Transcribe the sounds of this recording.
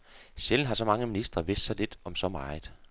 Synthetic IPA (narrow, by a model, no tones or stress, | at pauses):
ɕeln̩ɦɑ̈sɒ̽mɑ̈ŋəminisd̥ʁɐʋe̝sd̥sɑɪle̝d̥ɒ̽msɒ̽mɑ̈ːɪð̩ˠ